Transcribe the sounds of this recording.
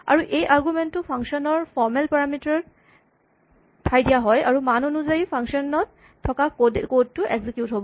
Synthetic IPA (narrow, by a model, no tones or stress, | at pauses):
a̰ɹuʔejʔaɹɡumɛntːʊpʰaŋkʃɔnɔɹpʰɔɹmɛlpaɹamitɔɹ | tʰajdijaɦɔjaɹumanɔnuzajipʰaŋkʃɔnɔtʰː | ɔkakdkod̚tʊʔɛɡzikjutɦobɔ